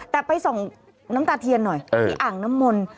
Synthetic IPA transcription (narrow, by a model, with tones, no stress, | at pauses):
t̪ɛː˨˩pa˧jso˨˩˦ŋ | na˦˥mt̪aː˧t̪ʰi˧ənːɔ˨˩jːʔaː˨˩ŋna˦˥mːo˧n